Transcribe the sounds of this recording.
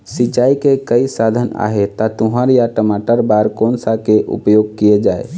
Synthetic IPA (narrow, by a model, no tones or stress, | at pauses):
sit͡ʃaːikekəisad̪ʱəna̰ɦet̪at̪uɦəɾjaʈəmaʈəɾbaɾkoːnsakeʔṵpjoɡ̚kijed͡ʒaːe